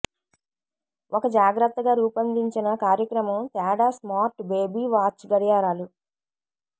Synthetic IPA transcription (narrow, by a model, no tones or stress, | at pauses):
ʔɔkɐd͡ʒaːɡɾɐt̪ːɐɡaːɾuːpɐnd̪iɲt͡ʃinɐkaːɾjɐkɾɐmɐmt̪aːɽaːsmaːɾʈbe̞ːbiːʋaːt͡ʃɡɐɽijaːɾaːlu